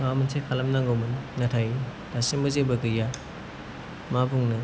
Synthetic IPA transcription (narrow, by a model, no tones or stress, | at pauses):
mawmɐnsʰekʰalɐmnaŋɡawmɯnnatʰaji | dasimbɐzebɐɡɯja | mabuŋnɯ